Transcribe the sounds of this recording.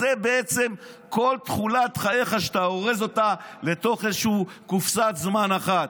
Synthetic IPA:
zebeet͡se̞m | ko̞lt̪χulat̪χajeχaʃe̥t̪aoʁezo̞tale̞t̪o̞χezʃuukufsat̪zmanaχat̪

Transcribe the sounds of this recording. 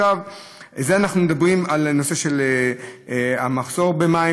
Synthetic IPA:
av | zeanaχnumed̪abʁimalno̞se̞ʃe̞le | amaχso̞ʁbe̞mai

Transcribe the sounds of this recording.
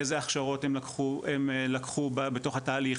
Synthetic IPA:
ezeaχʃaʁo̞themlakχuemlakχubabeto̞χhataːliχ

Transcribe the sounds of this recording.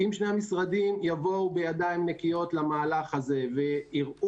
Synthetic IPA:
imʃneamisʁad̪imjavo̞ubejad̪ajmnekijo̞t̪lamaːlaχaze̞ve̞iʁu

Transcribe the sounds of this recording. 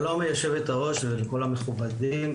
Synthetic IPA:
lomejaʃevet̪aʁo̞ʃveleko̞lame̞χubadim

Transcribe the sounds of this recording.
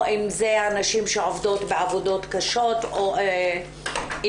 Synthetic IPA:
ʔimzeanaʃimʃeʕovdo̞tbeavodo̞t̪kaʃo̞to

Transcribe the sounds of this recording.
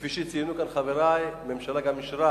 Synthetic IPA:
fiʃit͡sijnukanχaveɾajmemʃalaɡamːiʃɾa

